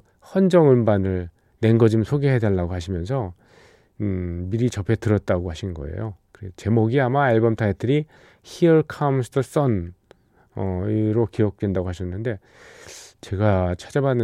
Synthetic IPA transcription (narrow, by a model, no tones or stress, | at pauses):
hʌnd͡ʑʌŋɯmbanɯɭ | ne̞nɡʌd͡ʑimsʰoɡeɦedwaɭːaɡohaɕʰimjʌnsʰʌ | miɾit͡ɕʌpʰe̞tɯɾʌt̚t͈aɡohaɕʰinɡʌ̰e̞̰jokɯɾet͡ɕe̞moɡiamaeɭbʌmtʰaetʰɯɾi | çiʌɭkʰamsʰtʰʌs͈ʌn | ʌɾokiʌk̚twe̞ndaɡoaɕʰʌnːɯnde̞ | t͡ɕe̞ɡat͡ɕʰad͡ʑabanːɯ